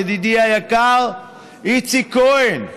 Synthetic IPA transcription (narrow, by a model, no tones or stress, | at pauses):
d̪id̪iajakal | it͡sikojn